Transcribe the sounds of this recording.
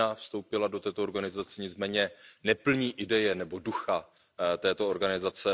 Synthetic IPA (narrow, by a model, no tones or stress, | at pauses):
afst̪o̞wpɪlado̞t̪ɛːt̪ooɾɡanɪzat͡sɛɲɪt͡smɛːɲɛnɛpl̩ɲiːʔɪdɛjɛnɛbo̞duxa | t̪ɛːt̪ooɾɡanɪzat͡sɛ